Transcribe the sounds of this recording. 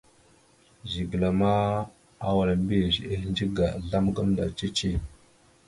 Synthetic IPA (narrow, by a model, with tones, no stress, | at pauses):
zi˨ɡə˨la˨ma˦ | a˦wa˨ɾa˨m˦bi˦˨ze˦hnd͡ʒi˦ɡa˨ɮa˦mɡa˦mda̰˨t͡ʃe˦t͡ʃe˦˨